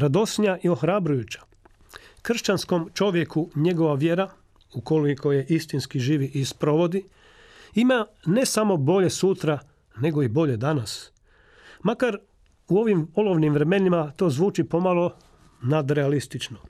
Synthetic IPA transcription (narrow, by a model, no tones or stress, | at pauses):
ɾad̪o̞sniaʔio̞xɾabɾujut͡ɕḁ | kr̩ʃt͡ɕansko̞mt͡ʃo̞ʋje̞kuɲe̞ɡo̞ʋaʋjeɾa | uko̞liko̞je̞ʔist̪inskiʒiːʋiʔispɾo̞ʋo̞d̪i | imane̞samo̞bo̞ʎe̞sut̪ɾa | ne̞ɡo̞ibo̞ʎe̞d̪anas | makaɾ | uo̞ʋimoloʋnimʋɾe̞me̞nimat̪o̞ːzʋuːt͡ʃipo̞malˠo̞ | nad̪ɾealist̪it͡ʃno